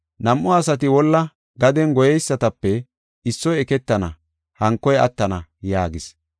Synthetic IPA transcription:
nɐmʔʊɐsɐt̪̬ɪwɔlːɐ | ɡɐd̪ɛnɡɔjɛjsːɐt̪ɐpːɛ | ɪsːɔjɛkɛt̪ːɐnɐ̰ | hɐŋkːɔjɐ̰t̪ːɐnɐjaːɡɪs

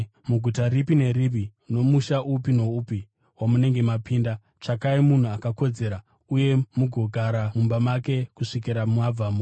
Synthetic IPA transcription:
muɡʱutaɾipine̞rip̬ino̞muʃaʔupino̞upi | wamune̞ŋɡe̞mapiːnda | t͡ʂakaimun̤uakako̞d͡ze̞ɾa | uje̞muɡʱo̞ɡʱaɾamumbamake̞kuʂikiɾamwab͡vamu

